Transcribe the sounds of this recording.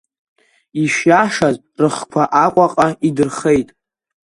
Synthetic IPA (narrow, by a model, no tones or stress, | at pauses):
iʃjaʂaz | rɨχkʷʰaʔakʷʼaqʼaidɨrχe̞jtʼ